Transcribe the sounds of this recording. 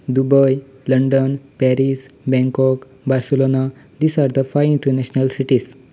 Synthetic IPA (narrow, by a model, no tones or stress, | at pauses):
d̪ubəj | ləɳɖənpɛɾisbɛ̃ŋkɔk | baɾsəlonad̪iːsaɾd̪əfajĩɳʈəɾnɛɕnəlsiʈis